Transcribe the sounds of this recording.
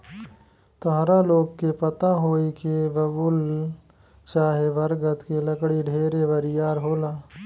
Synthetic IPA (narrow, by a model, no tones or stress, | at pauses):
t̪ɔɦɾaloːɡkepɐt̪aɦoːikeʋɐbʊl | t͡ʃaːɦeʋɐɾɡət̪kilɐkɽiɖʱeːɾeʋɐɾɪjaːɾɦoːlaː